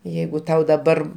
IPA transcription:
ˈjɛɪɡʊ ˈtɐʊ dɐˈbɐr

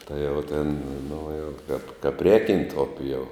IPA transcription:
ˈtɐɪ jɛʊ tʲeːn nʊ jɛʊ kɐp kɐp ˈrʲɛːkʲɛnt ˈʊpʲɪ jɛʊ

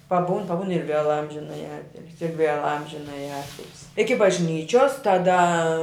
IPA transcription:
pɐˈbuːn pɐˈbuːn ɪr ʋʲeːlˠ ˈɐmʲʒʲɪnɐjɪ ˈɑːtʲɪlʲsʲɪ ɪr ʋʲeːlˠ ˈɐmʲʒʲɪnɐjɪ ˈɑːtʲɪlʲsʲɪ ɪkʲɪ bɐʒʲˈnʲiːt͡ʃʲoːs tɐˈdɐ

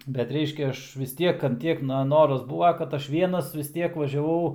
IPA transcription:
bʲɛt ˈrʲɛɪʃʲkʲɛ ˈɐʃ ʋʲɪs ˈtʲiɛk ɐnt ˈtʲiɛk nɐ ˈnoːrɐs ˈbuːʋɐ kɐt ˈɐʃ ˈʋʲiɛnɐs ʋʲɪs ˈtʲiɛk ʋɐʒʲɛˈʋɐʊ

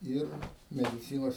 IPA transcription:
ˈɪr mʲɛdʲɪˈt͡sʲiːnoːs

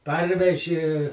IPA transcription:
ˈpɐrʲʋʲɛʒʲɪ

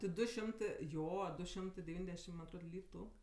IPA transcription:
tʲɪ ˈdʊ ˈʃʲɪmtɜ ˈjoː ˈdʊ ˈʃʲɪmtɜ dʲɛˈʋʲiːnʲdʲɛʃʲɪm mɐn ɐtˈroːt ˈlʲiːtʊ

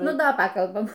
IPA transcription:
ˈnʊ ˈdɐ ˈpɑːkɐlˠbɐm

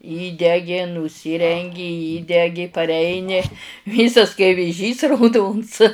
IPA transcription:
ˈiːdʲɛɡʲɪ nʊˈsʲiːrʲɛŋʲɡʲɪ ˈiːdʲɛɡʲɪ pɐrʲˈɛɪnʲɪ ˈʋʲiːsɐs kɐɪ ʋʲeːˈʒʲiːs rɐʊˈdoːns

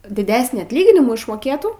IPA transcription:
dʲɪˈdʲæːsʲnʲiː ɐtʲˈlʲiːɡʲɪnʲɪmuː ɪʃmoːˈkʲeːtuː

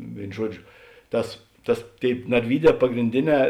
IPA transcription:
ˈʋʲeːɪn ˈʒuɔˌd͡ʒʲoː ˈtɐs ˈtɐs ˈtʲeːɪp nɐrʲˈʋʲiːˌdʲɛː pɐɡrʲɪnʲˈdʲeːˌnʲɛː

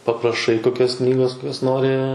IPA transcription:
pɐprɐˈʃɐɪ koːˈkʲoːs ˈknʲiːɡoːs koːˈkʲoːs ˈnoːrʲɪ

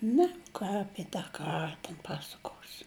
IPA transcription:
ˈnʲɛ ˈkɑː ˈɑːpʲiɛ tɑː ˈkɑːrɐ tʲɛn ˈpɑːsɐkoːsʲɪ

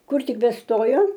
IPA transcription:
ˈkʊr ˈtʲɪk bʲɛˈstoːjoː

